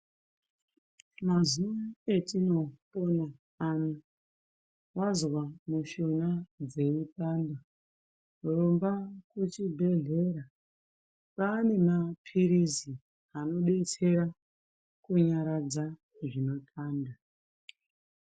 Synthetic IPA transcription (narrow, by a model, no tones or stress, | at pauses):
mazuʋae̞tino̞pona | ano | wazwamuʃonad͡ze̞ipaːnda | rombakut͡ʃibʱe̞ɮe̞ɾa | pane̞mapʰiɾizi | ano̞ɗe̞t͡se̞ɾa | kuɲaɾad͡za | ʐinotʰaːnda